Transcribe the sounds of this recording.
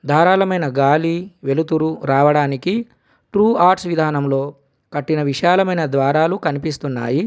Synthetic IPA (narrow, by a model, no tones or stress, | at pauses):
d̪ʱaːɾaːlɐmɐjnɐɡaːliʋe̞lut̪uɾuɾaːʋɐɽaːniki | ʈɾuːaːɾʈsʋid̪ʱaːnɐmlo̞ː | kɐʈːinɐʋiʃaːlɐmɐjnɐd̪ʋaːɾaːlukɐnipist̪unːa̰ːji